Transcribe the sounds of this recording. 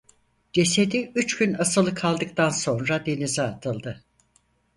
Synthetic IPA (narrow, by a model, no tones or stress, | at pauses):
d͡ʒe̞se̞d̪iyt͡ʃɟynasɯlˠɯkʰalˠd̪ɯk̚t̪ʰanso̞nɾad̪e̞nizɛːt̪ʰɯlˠd̪ɯ